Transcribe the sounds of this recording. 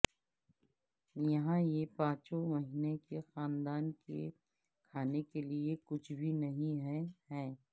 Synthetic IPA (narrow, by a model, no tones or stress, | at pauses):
jɐɦãjepãːt͡ʃomɐɦiːnekexaːnd̪aːnkḛ | kʰaːnekeliekʊt͡ʃʰbʱinɐɦĩɦɛɦɛː